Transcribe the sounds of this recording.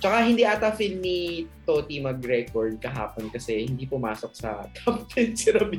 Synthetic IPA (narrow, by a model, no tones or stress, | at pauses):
t͡ʃɐkahɪnd̪iːʔɐt̪ɐfilnit̪oːt̪imɐɡɾɛkoɹd̪̚kɐɦa̰ːponkɐsɛhɪnd̪iːpʊmaːsok̚sɐ̰t̪appɛsɛɾɐbi